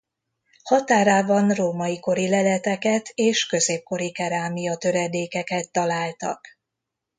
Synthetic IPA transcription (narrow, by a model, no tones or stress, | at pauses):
hɒt̪aːɾaːbɒnroːmɒjiko̞ɾilɛlɛt̪ɛkɛt̪ʰeːʃkø̞zeːp̚ko̞ɾikɛɾaːmijɒt̪ø̞ɾɛd̪eːkɛkɛt̪ːɒlaːlt̪ɒ̰k